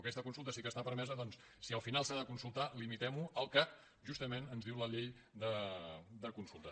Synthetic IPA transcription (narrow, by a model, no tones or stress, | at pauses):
kɛst̪əkunsulˠt̪əsikəst̪apəɾmɛzəðɔnsːiəlˠfinalˠsaðəkunsulˠt̪alimit̪ɛmuəlˠkak | ʒust̪əmenənzðiwləʎeʎ | d̪əd̪əkunsulˠt̪ə